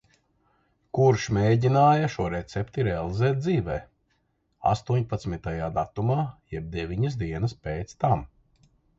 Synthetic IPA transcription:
kuɾʃmeːɟinaːjɐʃuɔɾɛt̪sɛpt̪iɾɛalˠizɛːt̪̚d̪ziːvɛː | a̰st̪uɔɲpat̪smit̪ajaːd̪at̪umaːjɛb̚d̪evʲiɲɐs̬d̪iɛnɐspeːt̪st̪am

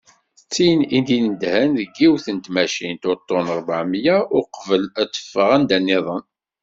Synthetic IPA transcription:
θət͡sːinind̪innd̪hænðəɡːiwθənt̪mæʃint̪oɾt̪ˤːonəɾˤbaʕmjaʊqvəlæt͡sːə̥fːəʁænd̪ænːɪðˤən

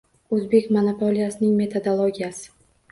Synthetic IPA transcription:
ɵzbe̞kʲmonapʰolʲijasɪnɪŋme̞t̪ʰo̞d̪olˠoɡʲijasɪ̥

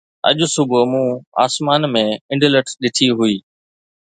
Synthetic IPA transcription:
ɐ̰ʄʊ̆sʊbʱʊmũa̰ːsmaːnmẽɪ̃ɳɖɪləʈʰɗɪt̪ʰiɦʊiː

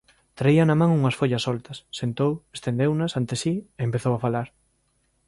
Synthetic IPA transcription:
t̪ɾaiɐnɐmãŋuŋɐsfoʎɐsɔlt̪ɐsːent̪owest̪end̪ewnɐsant̪esieːmpeθowafalaɾ

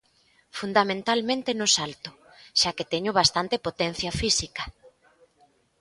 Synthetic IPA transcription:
fund̪amẽnt̪almẽnt̪enʊsalt̪ʊ | ʃaket̪eɲʊβ̞ast̪ant̪epot̪ɛn̟θjafisikɐ

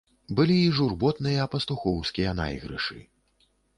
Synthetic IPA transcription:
bɨlʲiːʐurbɔt̪nɨjɐːpɐst̪uxɔwskʲijɐna̰jɣɾɨ̰ʂɨ̰

